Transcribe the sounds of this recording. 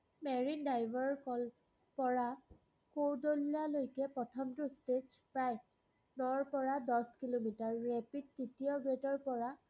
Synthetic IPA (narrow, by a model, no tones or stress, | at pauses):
mɛɹindajbʱɔɹkɔl | pɔɹa | kowdolalojkɛpɹɔtʰɔmtʊsted͡ʒpɹaj | nɔɹpɔɹadɔskilomitaɹːɛpid̚tːitiɔɡɹetɔɹpɔɹa